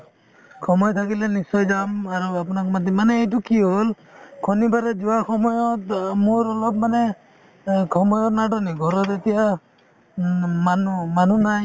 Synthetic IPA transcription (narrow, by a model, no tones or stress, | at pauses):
kʰɔmɔjɔt̪ʰakilenisɔjd͡ʒamaɾuapunakɔmad̪ʱɔmaneːjtukiɦol | kʰɔnibaɾed͡ʒuwaxɔmɔjɔt̚moɾɔlɔb̚mane | kʰɔmɔjɔtnaɖɔniɡʱɔɾɔt̪et̪ija | manumanunaj